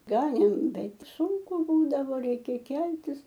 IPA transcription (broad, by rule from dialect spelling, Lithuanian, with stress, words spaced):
ˈɡɑːnʲeːm ˈbʲɛt ˈsʊŋkʊ ˈbuːdɐʋoː ˈrʲɛɪkʲɛ ˈkʲɛlʲtʲɪs